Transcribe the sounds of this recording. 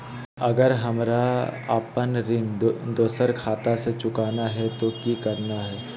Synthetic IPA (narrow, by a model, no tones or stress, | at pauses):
ɐɡəɾɦɐmɾaə̰pənɾɪ̃nd̪oːsəɾkʰaːt̪aset͡ʃʊkaːnaɦɛt̪okikɐɾnaɦɛː